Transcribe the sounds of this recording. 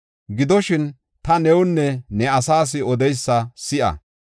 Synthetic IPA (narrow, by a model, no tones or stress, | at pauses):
ɡɪd̪ɔʃɪn | t̪ɐnɛwʊnːɛnɛɐsaːs̬ɪɔd̪ɛjsːɐsɪʔɐ̰